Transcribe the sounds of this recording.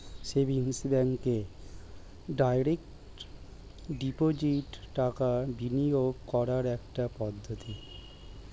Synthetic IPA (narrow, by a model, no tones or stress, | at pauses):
ʃebʱiŋsbɛŋke | ɖajɾek̚ | ʈʈ | ɖipod͡ʑiʈʈakabinijoɡkɔɾaɾɛkʈapɔd̪ʱːot̪i